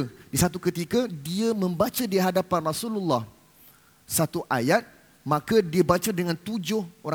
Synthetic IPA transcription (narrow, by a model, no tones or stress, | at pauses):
disat̪ukət̪ikadiamə̃mbat͡ʃadiɦadapanrasululːah | sat̪uʔajat̪̚ | mãkadiabat͡ʃadəŋãnt̪ud͡ʒʊhoɾ